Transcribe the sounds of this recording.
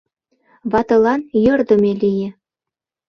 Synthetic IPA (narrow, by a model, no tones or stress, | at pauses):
βɑt̪ɤ̆lɑnjɤ̆rd̪ə̆mʲelʲijĕ